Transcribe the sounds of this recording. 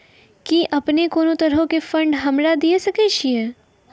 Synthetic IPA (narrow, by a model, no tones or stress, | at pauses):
kiʔɐpnekoːnot̪ɐɾɦõkefɐ̃ɳɖɦɐmɾad̪iesɐkeːʃʰiɛː